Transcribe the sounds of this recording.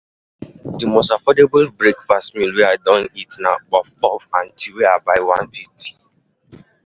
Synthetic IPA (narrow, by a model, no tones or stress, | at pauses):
dimostafɔdebʊlbɹekfastmĩlweadɔ̃nitnabɔfɔfãntʰiweabaɪwãnfifti̥